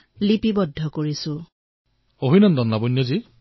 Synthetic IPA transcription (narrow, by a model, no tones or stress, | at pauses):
lipibɔdʱːɔkoɹisʊ̃ | oɦinɔndɔnːabonjɔzi